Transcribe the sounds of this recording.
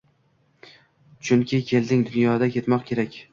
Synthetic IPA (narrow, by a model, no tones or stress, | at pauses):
t͡ʃʰʊŋkʲʰɪkʲʰe̞ld̪ɪŋd̪ʊnjɒd̪akʲʰe̞t̪mɒqkʲʰe̞ɾakʲ